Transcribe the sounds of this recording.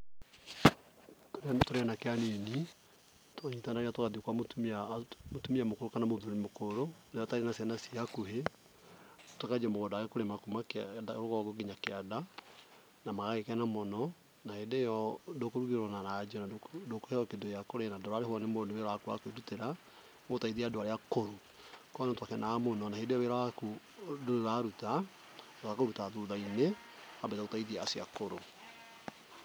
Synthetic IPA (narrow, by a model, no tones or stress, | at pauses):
ttoɾeanakeaneni | toaɲitanaɣeatokaðiokwamotumamotumiamokoɾokanamoðoɾimokoɾonajɔtaiɾenasianasiakuɦe | tokad͡ʒamoɣɔdaɣɛkoɾemakumakdaoɾoɣɔɡoɡiɲakeada | namaɣaɣekɛnamɔnɔ | nahedejɔndokoɾuɣiɾɔnanad͡ʒɔnadokohɛɔkedojakoɾenadɔɾaɾehwɔnemooneweɾwakua̰kweɾuteɾa | motaiðiaːdoaɾeakoɾo | kɔnontwakɛnamonɔnahedejɔweɾaku | doɾaɾuta | okakoɾutaðuðaine | abetaotaiðiaːsia̰koɾo